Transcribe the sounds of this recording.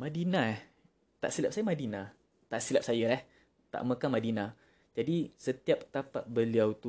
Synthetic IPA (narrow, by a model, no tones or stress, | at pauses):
mãdinã | t̪a̰ʔsilap̚sajamadinã | t̪aʔsilap̚sajalah | t̪a̰ʔmə̃kanmadinã | d͡ʒadisət̪iap̚t̪apat̪̚bəliawt̪u